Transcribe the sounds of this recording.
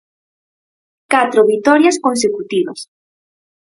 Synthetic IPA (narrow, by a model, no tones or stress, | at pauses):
kat̪ɾoβit̪ɔɾjaskõnsekut̪iβa̰s